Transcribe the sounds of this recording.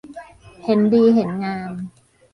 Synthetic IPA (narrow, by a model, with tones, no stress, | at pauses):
he˩˦ndiː˧ɦe˩˦nŋaː˧m